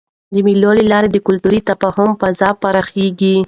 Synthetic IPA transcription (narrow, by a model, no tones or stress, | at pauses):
d̪əmilolelɑɾed̪əkʊlt̪uɾit̪apɑhʊmpazɑpaɾɑxeɡi